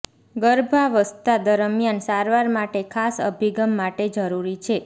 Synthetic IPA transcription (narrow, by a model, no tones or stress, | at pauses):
ɡəɾbʱaʋəst̪ad̪əɾəmjansaɾʋaɾmaʈekʰasə̰bʱiɡəmːaʈed͡ʒəɾuɾit͡ʃʰe